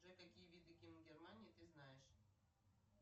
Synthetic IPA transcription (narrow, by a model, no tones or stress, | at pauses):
ʊʐɛkakʲijəvʲid̪ɨkʲimɡʲɛrmanʲɪːt̪ɨznajɪʂ